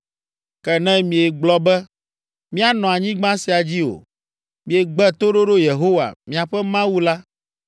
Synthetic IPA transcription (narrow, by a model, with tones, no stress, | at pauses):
kɛ˨nɛ̃˦mĩ˨e˨ɡ͡blɔ˦bɛ˦ | mĩ˦a˨nɔ̃˨a˨ɲĩ˦ɡ͡bã˦si˨a˨d͡ʑi˦o̰˨ | mĩ˨e˨ɡ͡bɛ˦t̪o˦ɖo˦ɖo˦je˨ɦo˦wa̰˨mĩ˨a˨ɸɛ˦mã˦wu˦la˦